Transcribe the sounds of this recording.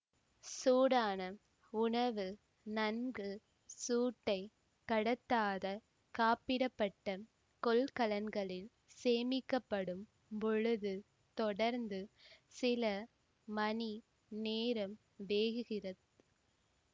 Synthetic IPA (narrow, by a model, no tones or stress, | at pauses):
suːɽaːnɐ | ʊɳɐʋɯ | nɐnɡɯ | suːʈːɐɪ | kɐɽɐt̪ːaːðɐ | kaːpɪɽɐpːɐʈːɐ | kɔlkɐlɐnɡɐɭɪl | seːmɪkːɐpːɐɽɯm | pɔɻɯðɯ | t̪ɔɽɐɾnd̪ɯsɪlɐ | mɐni | neːɾɐm | ʋeːɣɯɣɪrɐðɯ